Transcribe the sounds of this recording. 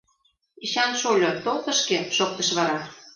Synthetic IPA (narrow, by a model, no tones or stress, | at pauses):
iɕɑnʃolʲot̪olˠt̪ə̆ʃkeʃok̚t̪ə̆ʃβɑɾɑ